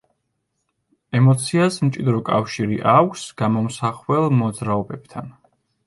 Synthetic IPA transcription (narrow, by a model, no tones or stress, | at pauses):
ɛmɔt̪sʰiasmt͡ʃʼid̪ɾɔkʼafʃiɾiʔakʷʰsɡ̥amɔmsaχwɛlˠmɔd̪zɾaɔbɛb̥̚t̪ʰan